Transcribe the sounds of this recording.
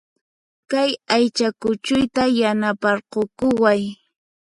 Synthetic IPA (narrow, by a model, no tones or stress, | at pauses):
kajajt͡ʃakʊt͡ʃʊjt̪ajanapɑɾqokʊwaj